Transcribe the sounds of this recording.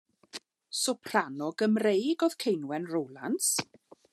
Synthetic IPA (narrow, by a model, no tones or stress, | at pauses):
sɔpʰr̥anɔɡəmrejɡɔð̥kʰejnwɛnrowlˠans